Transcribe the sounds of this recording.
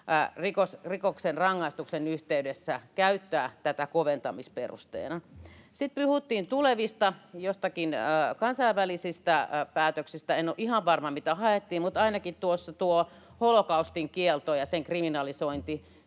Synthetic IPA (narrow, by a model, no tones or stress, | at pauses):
rikosrikoksenrɑŋːɑist̪uksenyht̪eydesːækæyt̪ːæːt̪æt̪ækoʋent̪ɑmispḛrṵst̪ḛːnɑsit̪̚pyhut̪ːiːnt̪uleʋist̪ɑjost̪ɑkinəkɑnsɑiʋʋælisist̪æpæːt̪øksist̪æenːoʔihɑʋʋɑrmɑmit̪æhɑet̪ːiːmmut̪ɑinɑkit̪t̪uosːɑt̪uo | holokɑust̪iŋkielt̪ojɑseŋkriminɑlisoint̪i